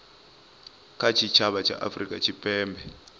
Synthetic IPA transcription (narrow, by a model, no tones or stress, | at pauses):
kʰat͡ʃʰit͡ʃʰaβat͡ʃʰa̰ʔa̰frikʼa̰t͡ʃʰipʼɛːmbʱɛ